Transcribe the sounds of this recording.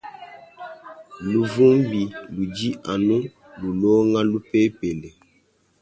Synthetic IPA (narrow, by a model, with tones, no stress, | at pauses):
lu˨vu˦m˦bi˨lu˨d͡ʒi˦ʔa˨nu˦ | lu˨lo˦ŋa˦lu˦pe˦pe˨le˨